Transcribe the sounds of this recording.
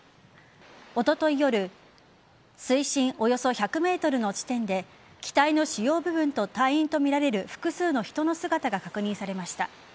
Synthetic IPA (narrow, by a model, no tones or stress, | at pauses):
o̞t̪o̞t̪o̞ijo̞ɾɯ̟ | sɨiɕĩɰ̃ʔo̞jo̞so̞çakɯ̟me̞ːt̪o̞ɾɯ̟no̞t͡ɕi̥t̪ẽ̞nd̪e̞ | kʲi̥t̪aino̞ɕijo̞ːbɯ̟bɯ̟̃nt̪o̞t̪aiĩnt̪o̞mʲiɾaɾe̞ɾɯ̟ɸɯ̥kɯ̟sɨːno̞çi̥t̪o̞no̞sɨɡat̪aɡakakɯ̟ɲ̟ĩɰ̃saɾe̞maɕi̥t̪a̰